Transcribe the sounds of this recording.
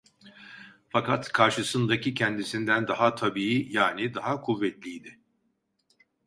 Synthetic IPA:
fakʰat̪kʰaɾʃɯsɯnd̪acʰicʰɛnd̪isind̪ænd̪aɦat̪ʰabiːijaːnid̪aɦakʰuvːɛt̪lʲijd̪ɪ

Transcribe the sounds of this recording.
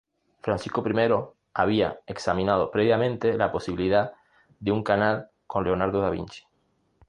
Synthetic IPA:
fɾansisko̞pɾimeɾo̞ | aβ̞ia̰eksamĩnað̞o̞pɾeβjamẽnt̪elapo̞siβiliða | ðeuŋkanal | ko̞nleonaɾðoðaβḭnt͡ʃi̥

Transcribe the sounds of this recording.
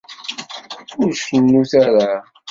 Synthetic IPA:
ʊɾʃənːuθaɾa

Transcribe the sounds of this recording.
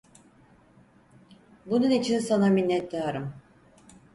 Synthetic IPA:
bununit͡ʃʰinsanaminːɛt̪ːaɾɯm

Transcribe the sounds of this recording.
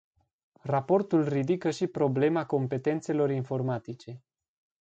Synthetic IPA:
rapo̞rt̪ulrid̪ikəʃipɾo̞ble̞mako̞mpe̞t̪e̞nt̪se̞lo̞ɾinfo̞rmat̪it͡ʃe̞

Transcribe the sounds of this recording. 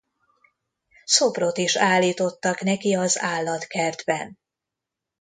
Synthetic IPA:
sobro̞t̪iʃaːlːiːt̪o̞t̪ːɒknɛkiɒzaːlːɒt̪kɛrd̪bɛn

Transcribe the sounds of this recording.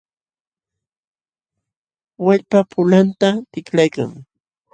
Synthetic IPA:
waʎpapʰʊlant̪at̪ɪklajka̰ŋ

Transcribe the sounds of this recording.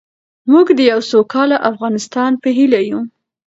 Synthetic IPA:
muɡd̪əjawsokɑlaʔafɣɑnɪst̪ɑnpəɦilaju

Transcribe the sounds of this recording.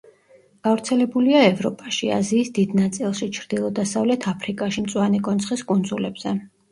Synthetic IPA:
ɡ̥avɾt̪sʰɛlɛbuliaɛvɾɔpʼaʃia̰ziːsd̪id̪nat̪sʼilˠʃit͡ʃʰɾd̪̥ilˠɔd̪asavlɛt̪ʰapʰɾikʼaʃimt̪sʼwanɛkʼɔnsʰχiskʼund̪zulɛbz̥ɛ

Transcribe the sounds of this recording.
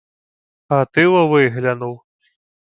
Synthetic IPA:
at̪ɨwɐvɨɣlʲanuw

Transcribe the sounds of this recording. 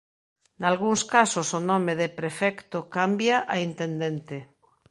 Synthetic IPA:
nalɣ̞uŋskasosonɔ̃meðepɾefɛkt̪okambjaʔaint̪ẽnd̪ẽnt̪e

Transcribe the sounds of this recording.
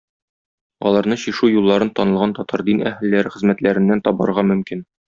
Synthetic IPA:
ɒ̰lˠɑɾnɤɕiʃʉjulˠːɑɾɤnt̪ɒnɤ̆lˠʁɑnt̪ɒt̪ʰɑɾd̪inæhɘlːæɾɘχɘ̆zmæt̪læɾɘ̆nːænt̪ɒbɑ̰ɾʁɑmɵ̆mkin

